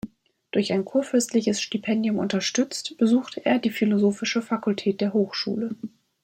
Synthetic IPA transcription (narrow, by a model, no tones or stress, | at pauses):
d̥ʊɐçaɪnkʰuːɐfʏɐstlɪçəsʃtipʰɛndjʊmʔʊ̰ntɐʃtʏt͡stb̥əzuːxtʰəʔḛːɐdiːfilozoːfɪʃəfakʊltʰɛːt̚d̥eːɐɦoːxʃṵːlə